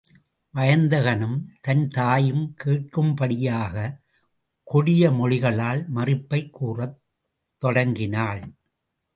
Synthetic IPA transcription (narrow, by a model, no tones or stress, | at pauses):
ʋɐjɐnd̪ɐɣɐnɯmt̪ɐnt̪aːjɯmkeːʈ̚kɯmpɐɽɪjaːɣɐ | kʊɽɪjɐmɔɻɪɣɐɭaːlmɐrɪpːɐɪkːuːrɐt̪ː | ɔɽɐŋɡɪnaːɭ